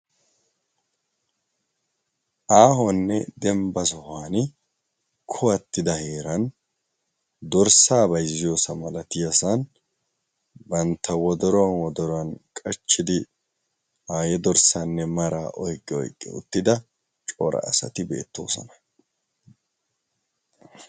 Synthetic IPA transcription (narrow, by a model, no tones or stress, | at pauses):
ʔaːɦɔnːɛd̪ɛmbɐsɔhaːnɪ | kʰɔɐt̪ːɪd̪ɐheːɾɐn | d̪ɔɾsaːbɐjzɪjoːsɐmɐlɐt̪ɪjɐsɐn | bɐnt̪ːɐwɔd̪ɔɾɔwɐnwɔd̪ɔɾɔɐnkʼɐt͡ʃːɪd̪ɪ | haːjɛd̪ɔɾsanːɛmɐɾaːʔɔjkʼːɛɔ̰jkʼːɛ̰ʊ̰t̪ːɪd̪ɐ | t͡ʃʼoːɾɐ̰ːsɐ̰t̪ɪbe̞̰ːt̪ːo̞̰ːsɐ̰nɐ̥